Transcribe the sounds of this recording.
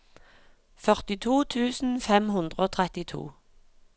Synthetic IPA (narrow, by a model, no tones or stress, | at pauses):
fœʁt̪ɪt̪ʰuːt̪ʰʉːsn̩fɛmhʉnd̪ʁəoːt̪ʰʁɛt̪ɪt̪ʰṵː